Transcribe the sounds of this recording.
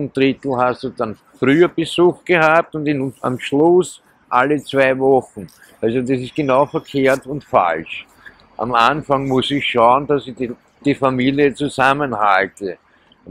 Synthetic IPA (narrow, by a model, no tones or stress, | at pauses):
nd̥ʁɪt̪l̩hastd̥ud̥an | fʁyːəb̥əzuxɡ̥əhaːp̚tʊndɪna̰mʃlʊs | ʔalət͡sv̥æɪvɔxn̩ | ʔalzodasɪst̚ɡ̥ənaʊfɛɐkʰeːɐtʊntfa̰lʃ | ʔa̰manfaŋmʊsɪçʃaʊəndasɪ | d̥ifamiːliət͡suzamənhaltə